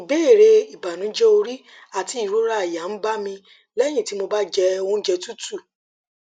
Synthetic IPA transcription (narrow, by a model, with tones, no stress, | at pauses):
i˨be˦e˦˨ɾe˧i˨ba˨nũ˨˦d͡ʒɛ˦o˧ɾi˦ | a˦˨ti˨˦i˦˨ɾo˦ɾa˦a˨ja˨n̩˦ba˦mĩ˧ | lɛ˦j̃ĩ˦˨ti˨˦mo˧ba˦d͡ʒɛ˧o˧ũ˦d͡ʒɛ˧tu˦tu˦˨